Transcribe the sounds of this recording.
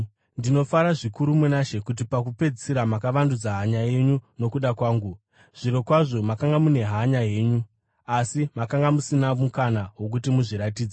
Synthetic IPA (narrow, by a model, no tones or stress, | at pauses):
ndino̞faɾaʐikuɾumenaʃe̞kut̬ipakupe̞d͡zisiɾamakaʋandud͡zaɦaɲaje̞ɲuno̞kuɗakwaːŋɡu | ʐ̥iɾo̞kwaʐo̞makaŋɡamune̞ɦaɲaje̞ːɲu | asimakaŋɡamusinamukanaɦwo̞k̬utimuʐiɾatiːd͡za